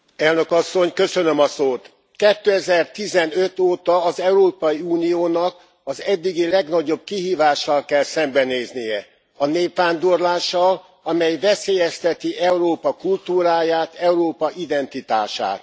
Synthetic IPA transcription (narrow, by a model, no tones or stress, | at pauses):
ɛlnø̞kɒsːo̞ɲkø̞sø̞nø̞mɒsoːt̪ | kɛt̪ːøɛzɛrt̪izɛnøt̪oːt̪ɒːzɛuɾoːpɒjiuːnijoːnɒk | ɒzɛd̪ːiɡilɛɡnɒɟo̞b̚kiɦiːvaːʃːɒlkɛlsɛmbɛneːznijɛ | ɒneːpʋaːnd̪o̞rlaːʃɒl | ɒmɛjvɛseːjɛst̪ɛt̪iʔɛuɾoːpɒkult̪uːɾaːjaːt̪ɛuɾoːpɒʔid̪ɛnt̪it̪a̰ːʃa̰ːt̪